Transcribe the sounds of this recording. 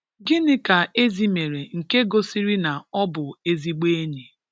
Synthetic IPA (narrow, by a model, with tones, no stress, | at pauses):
ɡɪ˦nɪ˦ka˨e˦zi˦me˨ɾe˨ŋ̩˨ke˦ɡo˦si˦ɾi˦na˨ɔ˦bʊ˨e˦zi˦ɡ͡be˦ni˨